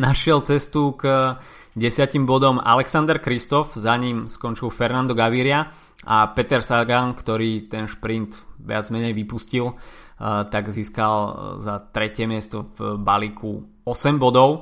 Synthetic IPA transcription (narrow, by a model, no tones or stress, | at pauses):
naʃɪɛlt͡sɛst̪uɡ | ɟɛsɪacimbɔd̪ɔma̰lɛksand̪ɛɾkɾist̪ɔfzaɲiːmskɔnt͡ʃilfɛɾnand̪ɔɡaʋiɾɪa | ʔapɛt̪ɛɾsaɡankt̪ɔɾiːt̪ɛnʃpɾint̪ʋɪad͡zmɛɲɛjʋipuscil | t̪aɡziːskalzat̪ɾɛcɪɛmɪɛst̪ɔvbalikʰu | ɔsɛmbɔd̪ɔʊ